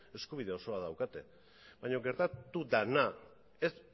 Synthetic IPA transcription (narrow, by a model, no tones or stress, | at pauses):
e̞skuβ̞ið̞e̞o̞so̞aðawkat̪e̞ | baɲo̞ɡe̞ɾt̪at̪ud̪ana | es